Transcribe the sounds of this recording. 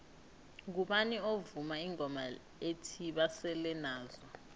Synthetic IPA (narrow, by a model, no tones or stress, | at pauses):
k̬uɓaniovumaiŋɔma̰ | etʰiɓasɛlɛnaːzɔ